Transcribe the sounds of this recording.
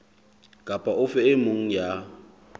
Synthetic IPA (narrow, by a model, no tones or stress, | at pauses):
kʼapʼaʊfɛɪmʊŋ̩ja